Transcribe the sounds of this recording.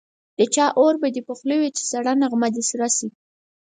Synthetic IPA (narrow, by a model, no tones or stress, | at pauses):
d̪̥ət͡ʃɑʔoɾbad̪epoxləwet͡ʃe̥saɽanaɣmad̪isɾɑsi